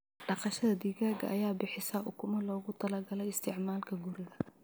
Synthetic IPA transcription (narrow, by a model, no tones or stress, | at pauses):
ɖɑqɑʃɐðɐd̪iːɣaːɡɐ̰ʔɐjaːbɪħɪsɐʔʊkʰʊmɐlɔːɣʊt̪ʰɐlɐrɡɐlɛɪst̪ʰɪʕmaːlkʰɐɡuɾɪɣɐ